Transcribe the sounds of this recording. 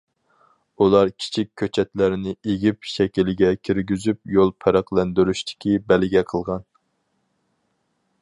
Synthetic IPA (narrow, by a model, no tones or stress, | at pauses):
ulˠɑɾkʲʰi̥t͡ʃʰik̚ʲʰːøt͡ʃʰɛt̪læɾɪnɪeɡʲipʃɛkʲilɪɡʲɛkʲʰiɾɡʲyzyp̚jolˠpʰæɾæqlˠɛnd̪yɾyʃt̪ʰɪ̥kʲibɛlɡʲɛqʰəlˠʁɑn